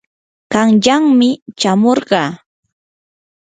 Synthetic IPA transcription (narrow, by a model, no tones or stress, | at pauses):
ɢɑŋʎaŋmɪt͡ʃamoɾɢɑː